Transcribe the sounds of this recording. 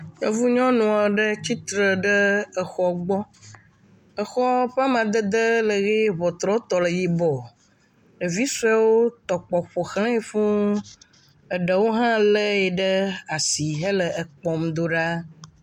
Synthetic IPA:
ɲɔ̃˦vu˦ɲɔ̃˦nũ˨a˨ɖə˦t͡ɕi˦t̪ɾə˨ɖə˦ə˨xɔ˨ɡ͡bɔ˦ | ə˨xɔ˦ɸa˦m˦ã˨d̪ə˦d̪ə˦lə˨ɣe˦βɔ˨t̪ɾɔ̃˦t̪ɔ˨lə˨ji˨bɔ˨ | ə˨vi˦sa˦wo˦t̪ɔ˨k͡pɔ˨ɸo˨xlẽ˦e˨fũ˦ | ə˨ɖə˨wo˦ɦã˦lə˦je˨ɖə˦a˨si˨ɦə˦lə˨ʔə˨k͡pɔ˨md̪o˦ɖa˦

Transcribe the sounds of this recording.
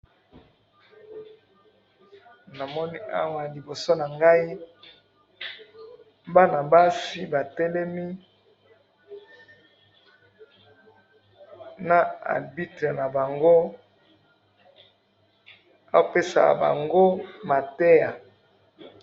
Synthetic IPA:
na˨mɔ˦ni˦a˦wa˨li˨bo˨so˦na˨ŋɡa˦i˦ | ba˦na˨ba˦si˦ba˨tɛ˦lɛ˦mi˦ | na˨a̰˨bi˦tʁe˨na˨ba˨ŋɡo˦ | a˦o˨pe˦sa̰˨ba̰˨ŋɡo˦ma˨tɛ˦ja˨

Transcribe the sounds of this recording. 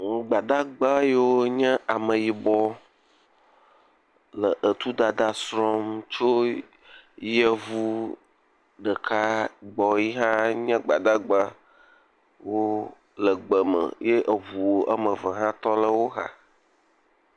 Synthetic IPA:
ŋũ˦ɡ͡ba˨d̪a˦ɡ͡ba˦je˦wo˦ɲɛ̃˦ʔa˨mə̃˨ji˨bɔ˦ | lə˨ʔə˨t̪u˦d̪a˨d̪a˨sɾɔ˦mt͡ʃo˦ | jə˦vu˦ | ɖə˨kʰa˦˨ɡ͡bɔ˨ji˦ɦã˦ɲɛ̃˦ɡ͡ba˨d̪a˦ɡ͡ba˦ | wo˦ | lə˨ɡ͡bə˨mə̰̃˨je˦ʔə˨vu˨wo˦ʔə˦mə̃˨və˨ɦã˦t̪ɔ˦lə˦wo˦ɦa̰˨

